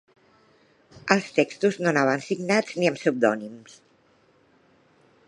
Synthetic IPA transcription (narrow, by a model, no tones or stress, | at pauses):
əlˠst̪ekst̪uznonaβənsiɡnad͡zniəmsup̚d̪ɔnims